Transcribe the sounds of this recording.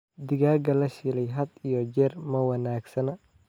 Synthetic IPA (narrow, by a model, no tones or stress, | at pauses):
d̪ɪɣaːɡɐlɐʃɪlɛjɦɐd̪ijɔd͡ʒɛːrmɐwɐnaːɡsɐnɐ